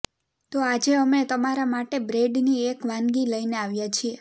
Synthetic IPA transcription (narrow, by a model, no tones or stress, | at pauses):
t̪oad͡ʒeəmet̪əmaɾamaʈebɾeɖniekʋãnɡiləineaʋjat͡ʃʰie